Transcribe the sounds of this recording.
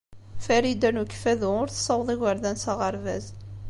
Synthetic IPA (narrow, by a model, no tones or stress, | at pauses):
fæɾid̪ænukːfæðʊʊɾθə̥sˤɑwðˤiɣəɾðænsɑʁəɾvæ̰z